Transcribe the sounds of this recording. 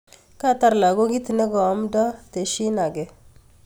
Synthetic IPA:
ka˦˨ta˨ɾla˨ɡo˦ɡi˦ti˨ne˦ɡɔ˨˦mdɔ˦te˨ʃi˦na˨ɡe˨

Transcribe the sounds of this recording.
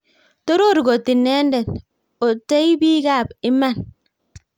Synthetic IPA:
to˦ɾo˦˨ɾi˨ɡo˨ti˨nːe˦n˦de˨n | o˨te˦i˦bi˦ɡa˦˨bi˦ma˦˨n

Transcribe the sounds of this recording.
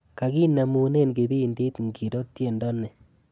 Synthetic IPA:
ka˨ɡi˦na˨mu˨ne˦nɡe˨bi˦˨ndi˦tŋɡi˨ɾo˦tje˨ndɔ˦nɛ˨

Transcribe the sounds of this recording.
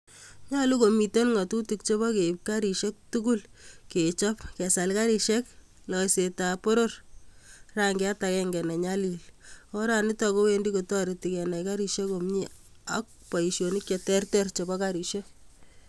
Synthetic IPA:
ɲa˦lu˦ko˨mi˨to˦nŋa˨tu˦tuk̚t͡ʃo˦βɔ˦ke˨ip̚ka˦ɾi˨ʃe˦k̚tuku˦lke˨t͡ʃɔ˦pkɛ˨sa˨lka˦ɾi˨ʃe˦k | lɔ˨seta˨po˦ɾo˦r | raŋɡe˦a˦ta˨kɛŋɡɛ˨nɛ˨ɲali˨lo˦ɾani˦tɔko˦we˦ndi˦kotɔ˦ɾi˨ti˨kɛ˨na˨jka˦ɾi˨ʃe˦ko˨mɲi˦a̰k̚pa˨i˨ʃjo˨ni˦k̚t͡ʃetɛ˦rtɛ˦rt͡ʃo˨bɔkaɾi˨ʃe˦

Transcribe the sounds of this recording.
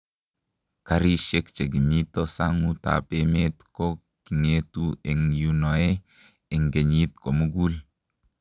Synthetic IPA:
ka˨ɾi˦ʃe˦kt͡ʃe˨ɡi˨mi˦to˦sa˦ŋu˦ta̰˨pe˦me˦tko˦ | ki˨ŋe˦tu˦e˨ŋju˦no˨e˦ | e˨ŋɡe˨ɲi˦tko˨mu˦ɡu˦l

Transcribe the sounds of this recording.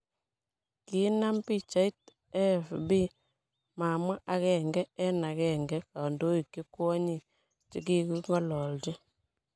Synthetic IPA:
ki˨˦na˦mpi˦˨t͡ʃa˦i˦t̚ | ɛ˦fbi˦ | ma˨ma˦ʔa˦kɛ˨ŋɡɛ˦ɛ˦na˨kɛ˨ŋɡɛ˦ka˨ndo˦i˨kːi˦kwɔ˦ɲi˨ | t͡ʃi˦ki˦ku˦ŋɔ˦lɔ˨ld͡ʒɛ˦

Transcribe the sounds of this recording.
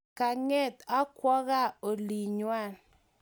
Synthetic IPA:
ka˨ŋe˦t̪a˦kwɔ˦ɣa˦o˨li˨ɲwa˦˨n

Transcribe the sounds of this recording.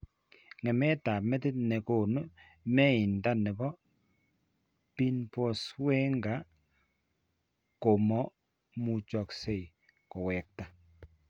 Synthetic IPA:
ŋɛ˨mɛ˦ta˨mɛ˦ti˦tnɛ˨ko˨no˦ | mɛ˦i˨nda˦nɛ˨bɔ˦ | pi˦npɔ˨swɛ˦ŋɡa˨˦ | ko˨mɔ˦ | mu˨t͡ʃɔ˨kse˦˨j | ko˨wɛ˨k̚ta˨

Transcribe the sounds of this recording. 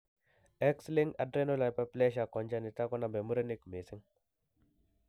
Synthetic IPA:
ɛ˦ksli˦ŋa˨dɾe˦no˦la˨jpa˦ple˦ʃ̬a˨kɔ˨nd͡ʒa˦ni˨ta˦kɔ˦na˨be˨mu˦ɾa˦ni˦kme˨si˦ŋ

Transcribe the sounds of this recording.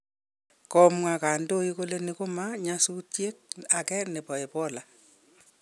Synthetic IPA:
kɔ˦mwa˨ka˨ndo˦i˦ko˦le˦ni˦ko˦ma˦ɲa˦su˦tje˦k̚a˨kɛ˦nɪ˨pɔ˨e˨pɔ˦la˨

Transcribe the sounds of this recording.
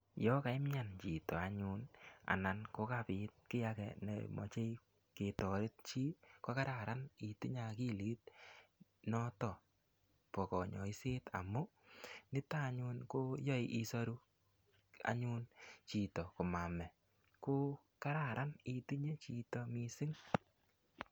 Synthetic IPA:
jɔ˦ka˨ɪ˦mɲa˨nt͡ʃi˨tɔ˨a˨ɲʊ˦na̰˨na˨nko˦ka˦pɪ˨t̚kɪ˦ja˧kɛ̰˨nḛ˨mɔ̰˨t͡ʃe˦i | ke˨tɔ˨ɾɪ˦t̚t͡ʃi˦kɔ˦ka˦ɾa˨ɾa˦ni˨tu˦ɲa˨ki˦liː˨˦t̚ | nɔ˦tɔ˨ | pɔ˨kɔ˨ɲɔ̰˨i˦se˦ta̰˨mʊ˦nɪ˦ta˦˨ɲʊ˧nko˦jɔ˦iʔi˦sɔ˦ɾu˦ | a̰˨ɲʊ˦nt͡ʃi˨tɔ˨ko˨ma˨mɛ˨ | ko˦ | ka˦ɾa˨ɾʔa˦ni˨˧tu˦ɲe˦t͡ʃi˧tɔ˦mi˦sɪ˦ŋ

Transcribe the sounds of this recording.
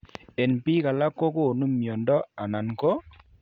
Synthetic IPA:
e˨npi˦ka˨la˦kːɔ˦ko˦˨nu˦mjɔ˨ndɔ˦a˨na˨nkɔ˦

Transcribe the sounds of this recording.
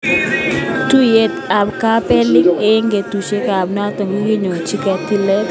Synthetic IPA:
tu˦je˦ta˨bka˦pe˦li˦ŋe˦ŋɡe˨tu˨t͡ʃe˦ka˨a˨bn˦a˦tɔ˨ŋi˦ɡi˦ɲo˨t͡ʃi˦ka˨ti˦lɛ˦t

